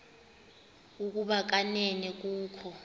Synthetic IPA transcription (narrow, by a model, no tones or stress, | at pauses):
uk̬ʼuɓak̬anɛnɛk̬ʼuːkʰɔ